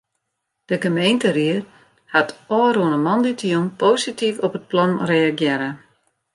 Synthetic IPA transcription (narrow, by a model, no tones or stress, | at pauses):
d̥əɡəmejntəriər | hatɔːruənəmɔnditjumpoːsitifɔpət̚plɔnreaɡjɪɾə